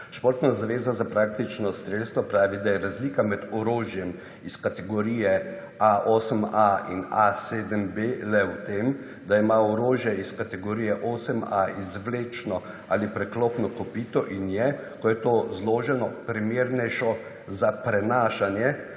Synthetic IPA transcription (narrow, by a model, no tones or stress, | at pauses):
ʃpoːɾt̪nazaʋeːzazapɾak̚t̪it͡ʃnɔst̪ɾelst̪ʋɔpɾaːʋid̪ajɛɾazliːkamɛd̪ɔɾoːʒjɛm | iskat̪ɛɡɔɾiːjɛ | aʔoːsəmainaseːd̪əmbelɛwt̪em | d̪aimaɔɾoːʒjɛiskat̪ɛɡoɾiːjɛʔoːsəmaizʋleːt͡ʃnɔ | a̰lipɾɛklopnɔkɔpiːt̪ɔʔinjɛkɔjɛt̪ozloːʒɛnɔpɾimeːɾnɛjʃɔ | zapɾɛnaːʃanjɛ